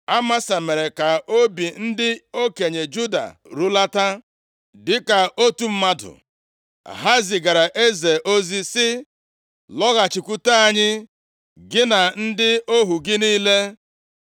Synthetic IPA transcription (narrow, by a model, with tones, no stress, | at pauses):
a˦ma˦sa˨me˨ɾe˨ka˨o˦bi˨n̩˦dɪ˦o˦ke˨ɲe˨d͡ʒu˦da̰˨ɾu˦la˦ta˦ | dɪ˦ka˨o˦tu˦m̩˦ma˦dʊ̰˨ | ɦa˦zi˨ɡa˨ɾa˨ʔe˦ze˨ʔo˦zi˦sɪ˦ | lɔ˦ɣa˨t͡ʃi˨kʷu˦ta˦a˦ɲɪ˦ | ɡɪ˦na˨n̩˦dɪ˦o˦ɦu˨ɡɪ˦niː˦le˦